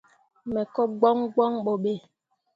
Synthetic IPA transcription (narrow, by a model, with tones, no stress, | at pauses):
mɛ˨kɔ˦ɡ͡bɔ˦ŋɡɔ˦ŋɓɔ˨ɓe˨